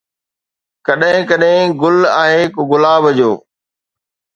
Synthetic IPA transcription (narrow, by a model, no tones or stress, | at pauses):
kɐɗɦɪ̃kɐɗɦɪ̃ɡʊlaːɦekoɡʊlaːbəd͡ʑoː